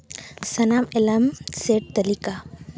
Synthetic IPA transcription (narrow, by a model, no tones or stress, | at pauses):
sɐnaːmelɐmseʈ̚t̪ɐlika